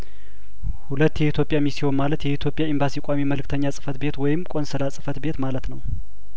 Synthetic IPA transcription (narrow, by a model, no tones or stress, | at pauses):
hulət̪ːjɛit̪ʰjo̞pʼjamisionmalət̪jɛit̪ʰjo̞pʼjaɪmbasikʷʼamiməlɨk̚t̪ʰəɲːasʼɨ̥fət̪be̞t̪wɔjɪmkʼo̞nsɨlasʼɨfət̪be̞t̪malət̪nəw